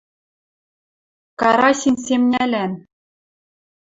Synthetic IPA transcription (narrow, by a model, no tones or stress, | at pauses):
kɑɾɑsʲinʲsʲemnʲælʲæn